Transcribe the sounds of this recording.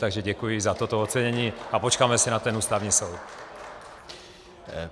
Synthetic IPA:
t̪aɡʒɛɟɛkujɪzat̪ot̪oot̪t͡sɛɲɛɲiːapot͡ʃkaːmɛsɪnat̪ɛnuːst̪avɲiːsowt̪

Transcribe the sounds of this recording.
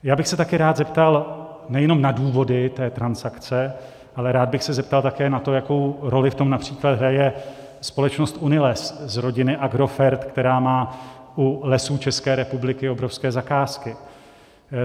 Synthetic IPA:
jaːbɪxsɛt̪akɪɾaːd̪zɛpt̪al | nɛjɛno̞mnaduːvo̞dɪt̪ɛːt̪ɾansakt͡sɛ | ʔalɛɾaːd̪bɪxsɛzɛp̚t̪alt̪akɛːnat̪o̞jako̞wɾo̞lɪft̪o̞mnapr̝̥iːklad̪ɦɾajɛ | spo̞lɛt͡ʃno̞st̪ʔunɪlɛszɾo̞ɟɪnɪʔaɡɾo̞fɛɾt̪kt̪ɛɾaːmaː | ulɛsuːt͡ʃɛskɛːɾɛpublɪkɪobɾo̞fskɛːzakaːskɪ

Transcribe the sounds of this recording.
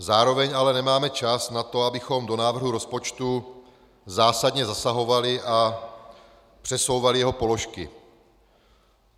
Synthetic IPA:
zaːɾo̞vɛɲalɛnɛmaːmɛt͡ʃasnat̪o̞abɪxo̞mdo̞naːvr̩ɦuɾo̞spo̞t͡ʃt̪u | zaːsadɲɛzasaɦo̞valɪʔa | pr̥ɛso̞wvalɪjɛɦo̞po̞lo̞ʃkɪ

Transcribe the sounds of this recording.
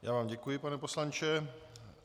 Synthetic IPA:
ja̰ːvaːmɟɛkujɪpanɛposlant͡ʃɛ

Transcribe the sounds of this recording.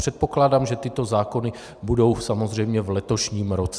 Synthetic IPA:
r̝̥ɛt̪̚po̞klaːdaːmʒɛt̪ɪt̪o̞zaːko̞nɪ | budo̞wsamo̞zr̝ɛjmɲɛvlɛt̪o̞ʃɲiːmɾo̞t͡sɛ

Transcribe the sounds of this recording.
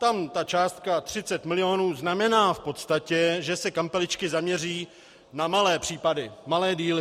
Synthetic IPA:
t̪amt̪at͡ʃaːst̪̚kat̪r̥ɪt͡sɛt̪mɪlɪo̞nuːznamɛnaːfpo̞t̪st̪acɛʒɛsɛkampɛlɪt͡ʃkɪzamɲɛriː | namalɛːpr̝̥iːpadɪmalɛːdiːlɪ

